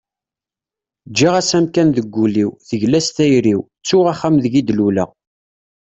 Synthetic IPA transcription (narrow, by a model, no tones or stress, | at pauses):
d͡ʒːiʁæsæmkænðəɡʷːuliwðəʝlæst̪æjɾiw | t͡sːʊʁaχːæmðəʝid̪lulə̰ʁ